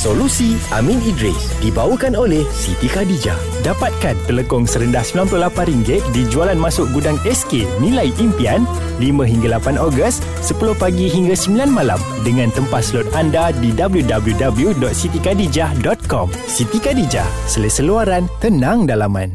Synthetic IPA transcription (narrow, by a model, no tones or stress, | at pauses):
solusia̰mĩnidɾḭsdibawəkanolɛhsit̪ikadid͡ʒa̰h | dapat̪̚kant̪ələkɔŋsəɾəndahsəmilampulohlapanriŋɡɪt̪̚did͡ʒualanmasʊʔɡudaŋɛskenĩlajʔimpian | limãɦiŋɡalapanɔɡəst̪ | səpulʊhpaɡiɦiŋɡasəmbilanmala̰m | dəŋãnt̪əmpat̪səlɔt̪̚andadidabəljudabəljudabljudɔt̪̚sit̪ikadid͡ʒahdɔt̪̚kɔm | sit̪ikadid͡ʒa̰h | səlesəluaɾant̪ənãŋdalamã̰n